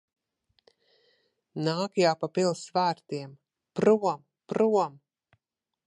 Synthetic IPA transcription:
naːkjaːpapilˠsvæːɾt̪iɛm | pɾuɔm | pɾuɔm

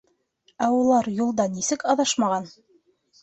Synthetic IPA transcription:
æulˠɑɾjulˠd̪ɑnisɘkɑðɑʃmɑʁɑn

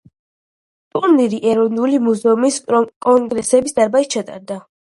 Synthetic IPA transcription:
t̪ʼuɾniɾiʔɛɾɔnulimuzɛumiskʼɔŋɡɾɛsɛbisd̪aɾbait̪̚t͡ʃʰat̪ʼa̰ɾd̪a

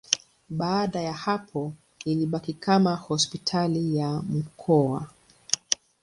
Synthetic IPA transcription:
ɓaːɗajahapʰɔ | iliɓakikamahɔspitʰalijam̩kʰɔa̰

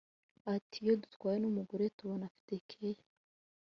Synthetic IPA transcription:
atʰijodutkwaːjenumuɡuɾetuβonafi̥tekʰeje

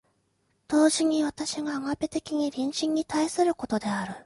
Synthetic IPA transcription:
d̪̥o̞ːʑiɲ̟iβat̪aɕiɡaːŋape̞t̪e̞kʲiɲ̟iɾʲĩɰ̃ɕĩɲ̟ːit̪aisɨɾɯ̟ko̞t̪o̞d̪e̞aɾɯ̟

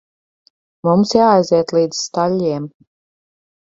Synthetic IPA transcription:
mumsjaːjzɛɛt̪lˠiːd̪z̥st̪alʲːiɛm

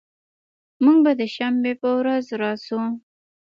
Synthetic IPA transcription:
muŋɡbad̪əʃambepəwɾazɾɑsu

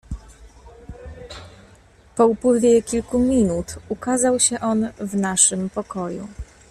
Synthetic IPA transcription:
pɔupwɘvʲjɛkʲilkumʲinut̪ukazawɕɛʔɔnvnaʂɘmpɔkɔjṵ

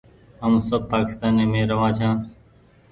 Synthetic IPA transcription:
ɦəmsəb̚paːkɪ̥st̪aːnːeːmẽːɾəʋãːt͡ʃʰãː

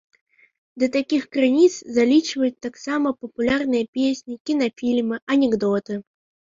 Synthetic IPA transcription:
d̪ɐt̪akʲixkɾɨnʲit̪szalʲit͡ʃvɐjut̪ːaksamɐpɐpulʲarnɨjɐpʲesʲnʲikʲinɐfʲilʲmɨɐnʲɛɡd̪ɔt̪ɨ

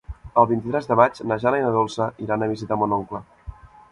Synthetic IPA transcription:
əlˠβint̪it̪ɾɛzðəmat͡ʃnəʒalajnəðolˠsəʔiɾanəβizit̪amonɔŋklə

